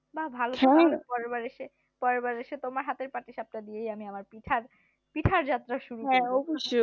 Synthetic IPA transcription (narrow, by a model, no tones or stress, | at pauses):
babʱalotɛ̃alopɔɾebaɾeʃe | pɔɾebaɾeʃet̪omaɾɦat̪eɾpaʈiʃap̚nad̪ijejamiamaɾpiʈʰaɾ | piʈʰaɾd͡ʑat̪ːɾaʃuɾuɛ̃ɔboʃu